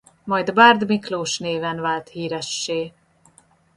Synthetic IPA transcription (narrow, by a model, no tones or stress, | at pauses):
mɒjd̪baːrd̪mikloːʃneːvɛnvaːlt̪hiːɾɛʃːeː